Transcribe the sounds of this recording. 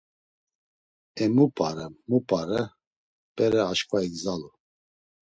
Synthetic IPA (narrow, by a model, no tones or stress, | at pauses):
ɛmupʼaɾɛmupʼaɾɛ | pʼɛɾɛaʃkʼvaiɡzalu